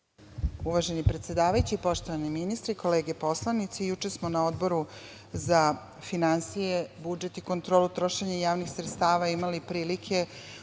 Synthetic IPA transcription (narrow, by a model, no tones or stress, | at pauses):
uʋaʒe̞nipɾe̞t̪sʲe̞d̪aːʋajut͡ɕiipo̞ʃt̪oʋaniminist̪ɾiko̞leːɡepo̞slanit̪sejut͡ʃesmonao̞d̪bo̞ɾu | za | finansijebud͡ʒe̞t̪iko̞nt̪ɾo̞ːlut̪ɾo̞ʃeɲajaːʋnixsɾet̪st̪aːʋaimalipɾiːlikʰe̞